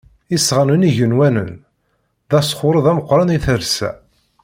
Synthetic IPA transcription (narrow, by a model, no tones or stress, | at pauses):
isːʁanəniʝənwænə̰n | ðæsχʊɾəðˤæməqːɾˤɑniθəɾsæ̰